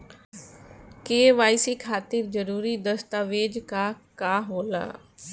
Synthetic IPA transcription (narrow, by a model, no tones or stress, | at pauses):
keːʋaːɪsiːkʰaːt̪ɪɾd͡ʒəɾuːɾiːd̪əst̪aːʋeːd͡ʒkaːkaːɦoːla̰ː